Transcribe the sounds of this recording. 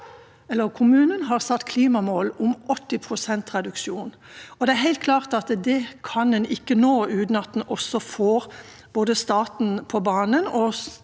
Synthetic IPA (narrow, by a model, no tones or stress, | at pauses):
ɛlːəʁkʰʊmʉːnənɦɑːʁsɑt̪ːkʰliːmɑmoːlʊmʔɔt̪ːɪpʰɾʊsɛnt̪ʁɛd̪ʉkʃjuːn | ɔd̪ɛæɾɦɛɪlt̪kʰlɑːʁt̪ɑt̪d̪ɛkʰɑnd̪ɛnɪkːənoːʉːt̪nɑt̪ːn̩ɔsɔfoːɾ | b̥oːd̪əst̪ɑːt̪n̩pʰɔbɑːnənɔ